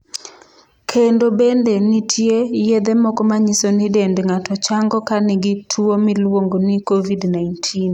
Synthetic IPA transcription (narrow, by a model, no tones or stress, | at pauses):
kʰendobendenitʰjejed̪emɔkɔmaɲisonidendŋatɔt͡ʃaŋɡɔkanɪɡɪtʰuomilwoŋɡonikovidnaintʰin